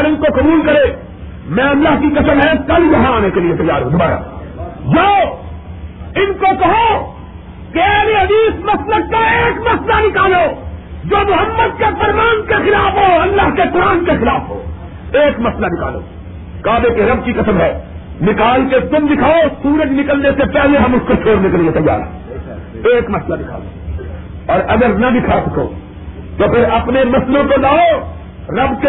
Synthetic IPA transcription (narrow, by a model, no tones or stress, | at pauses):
lɪnkoqɐbuːlkɐɾeː | mɛ̃ɐlːaːɦkikɐsəmɦɛ̃kɐljɐɦãaːnekeliet̪ɐjːa̰ːɾɦũd̪ʱɐbaːɾa̰ːjoː | ɪnkokɐɦo | keɛːleɦɐd̪iːsmɐslək̚kaeːkmɐslanɪkaːloːd͡ʒoːmʊɦəmːəd̪̚kefɐɾmaːnkexɪlaːfɦoːɐlːaɦkekʊɾaːnkexɪlaːfɦo̰ː | eːkmɐslanɪka̰ːlo̰ː | kaːbekeɾɐb̚kikɐsəmɦɛː | nɪkaːlket̪ʊmd̪ɪkʰaːosuːɾəd͡ʒnɪkəlnesepɛɦleɦɐ̃mʊskot͡ʃʰoːɾnek̬eliet̪ɐjːa̰ːɾɦɛ | eːkmɐslanɪkʰa̰ːlo̰ː | ɔːɾʔɐɡəɾnɐdɪkʰasɐko̰ː | t̪opʰɪɾɐpnemɐslõkolaːo | ɾɐbke